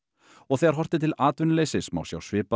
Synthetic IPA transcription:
ɔɣθɛjɣaɾ̥ɦɔr̥t̪ɪt̪ʰɪlaːt̪vʏnleːjsɪsma̰wsja̰wsvɪːpa

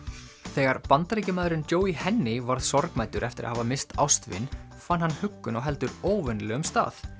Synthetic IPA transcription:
θɛːɣaɾpant̪ɾejcɪmaːðɾʏnc̪oːwihɛnːɪvaɾð̥sɔɾkmajt̪ʏɾʔɛft̪ɪɾa̰ɦavamɪst̪a̰wst̪vɪ̰n | fanɦhanːhʏkːʏnaɣɦɛlt̪ʏɾoːwvʏnlɛɣʏmst̪a̰ːθ

